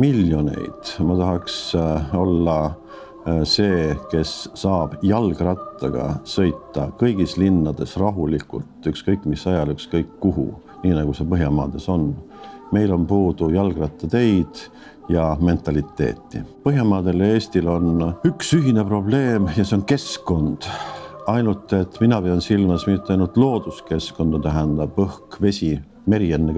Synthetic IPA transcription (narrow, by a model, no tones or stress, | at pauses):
miljo̞ne̞̰jd̪̥mɑt̪ɑɦɑkso̞lːɑ | se̞ːke̞sːɑːb̥jɑlɡ̥rɑt̪ːˑɑɡ̥ɑ̰sɤ̞jt̪ːɑkɤjɡ̥islinːɑd̪̥e̞srɑɦulikṵlt̪ykskɤjkːˑmisɑjɑlykskɤjkːuɦṵ | niːnɑɡ̥use̞pɤɦjɑmɑ̰ːd̪̥e̞so̞nme̞jlo̞npuːd̪̥ujɑlɡ̥rɑt̪ːˑɑt̪e̞jd̪̥ | jɑme̞nt̪ˑɑlit̪ːˑe̞̰ːt̪ːˑḭpɤɦjɑmɑːd̪̥e̞lee̞ːst̪ilo̞nyksyɦine̞pro̞b̥le̞ːmjɑseo̞nke̞skko̞nd̪̥ɑjnult̪ˑːe̞t̪ːminɑpeɑnsilmɑsmit̪ːˑɑjnult̪ˑlo̞ːd̪̥uske̞sko̞nd̪̥ɑt̪æɦænd̪̥ɑb̥ɤhkve̞sʲi | me̞ɾie̞nːe